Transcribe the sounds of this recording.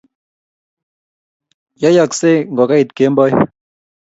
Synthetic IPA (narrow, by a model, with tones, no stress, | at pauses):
ja˦ja˦˨kse˦ŋɡɔ˨ka˦i˨t̪̚ke˨˦mbɔ˦j